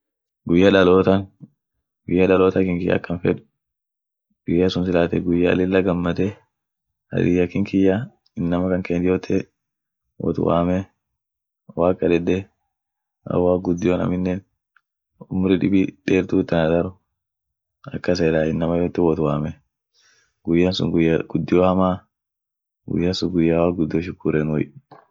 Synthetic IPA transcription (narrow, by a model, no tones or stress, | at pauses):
ɡʊjːɐᶑɐloːt̪ɐn | ɡʊjːɐᶑɐloːt̪ɐkɪŋkɪjːa̰ːkːɐnfɛᶑʊ̥ | ɡ̥ʊjːasʊnsɪlaːt̪ɛɡʊjːɐ̰ːlɪlːɐɡɐmːɐt̪ɛ | ɐ̰d̪ɪjɐkɪŋkɪjːa | ɪnːɐmɐkɐŋkeːnt̪ɪjoːt̪ʰːe | wɔ̰t̪ʊ̰wa̰ːmɛ | waːkʼːɐd̪ɛd̪ːɛ | ʔɐ̰waːɡʊd̪ːɪjoːnɐ̰mɪnːeːn | ʊmʊɾɪᶑɪbiᶑeːɾt̪uːt̪ːɐnɐd̪ɐɾʊ | ʔɐkːɐs̬eːlaːɪnːɐmɐjoːt̪ːɪwɔt̪ʊwaːmɛ | ɡ̥ʊjːansʊ̰ŋɡʊjːaɡ̥ʊd̪ːɪjoːhɐmaː | ɡʊ̰jːansʊŋɡʊjːaːwaːɡʊd̪ːɪjoʃ̬ɪkːuːɾeːnwɔj